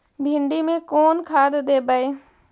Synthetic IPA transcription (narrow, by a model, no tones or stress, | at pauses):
bʱɪɳɖiːmẽːkoːnkʰaːd̪d̪eːbəeː